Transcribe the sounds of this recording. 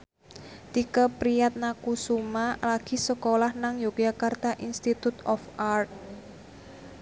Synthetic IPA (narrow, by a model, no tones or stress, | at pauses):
t̪ikəpɾijat̪̚nakusumalaɡ̥i̤səkolahnaŋjukjakart̪aʔinst̪it̪ut̪ɔfart̪̚